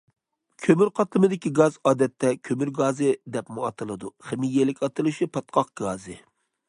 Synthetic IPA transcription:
kʲʰømyɾqʰɑt̪lˠɨmɨd̪ɪkʲiɡɑzɑːd̪ɛt̪ʰːɛkʲʰømyɾɡɑːzɨd̪ɛpmuɑt̪ʰɨlˠɨd̪uχɪmijelɪkʲɑt̪ɨlˠɨʃipʰɑt̪̚qʰɑq̚ɡɑːzɨ

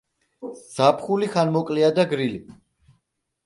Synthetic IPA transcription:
sapʰχuliχanmɔkʼliad̪aɡɾili

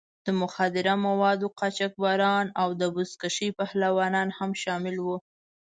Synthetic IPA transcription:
d̪̥əmʊxad̪ɪɾamawɑd̪oqɑt͡ʃak̚bɑɾɑnawd̪əbʊskaʃəjpahlawɑnɑnhamʃɑmɪlwu

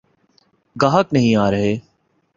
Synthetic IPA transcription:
ɡaːɦəknəɦĩːaːɾəɦeː

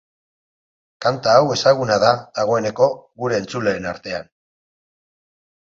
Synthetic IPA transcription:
kant̪aːwe̞saɣ̞unaðaðaɣ̞o̞e̞ne̞ko̞ɣuɾe̞ːnt͡suleenaɾt̪e̞an

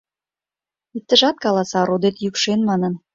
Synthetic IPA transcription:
it̪ːə̆ʒɑt̪̚kɑlɑsɑɾod̪et̪jykʃenmɑnən

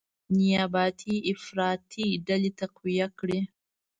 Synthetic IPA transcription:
nijabaːt̪ʰiʔːfɾaːt̪ʰidɐlit̪ɐqwijɐkɽe

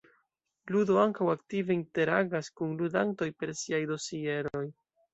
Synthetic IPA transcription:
ludo̞aŋkawaktive̞inte̞ɾaɡaskunludanto̞jpe̞ɾsiajdo̞sie̞ɾo̞j

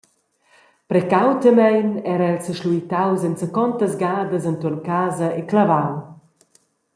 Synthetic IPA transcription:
pɾɛkawt̪əmɛjnɛɾəɛlsəʃluit̪awzɛnsəkɔnt̪əzɡaːd̪əzənt̪urnkaːzəeklavaw

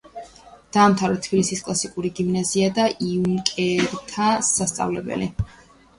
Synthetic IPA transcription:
d̪̥aːmt̪ʰavɾɛt̪ʰb̥ilisiskʼlˠasikʼuɾiɡimnaziad̪aʔiunkʼɛɾt̪ʰasast̪sʼa̰vlɛbɛ̰li

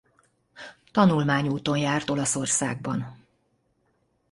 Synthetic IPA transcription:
t̪ɒnulmaːɲuːt̪o̞njaːrt̪o̞lɒso̞rsa̰ːɡ̚bɒn

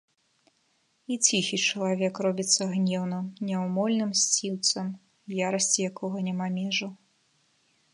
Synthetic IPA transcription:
it͡sʲixʲit͡ʂɐlˠavʲɛkrɔbʲit̪sːɐɣnʲɛwnɨmnʲɛwmɔlʲnɨmsʲt͡sʲiwt̪sɐm | jaɾɐsʲt͡sʲijakɔɣɐnʲamamʲɛʐu

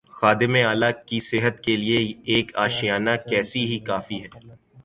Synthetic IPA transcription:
xaːd̪ɪmeaːlakisɪɦət̪kelieːkaːʃijaːnakɛːsiɦikaːfiɦɛː

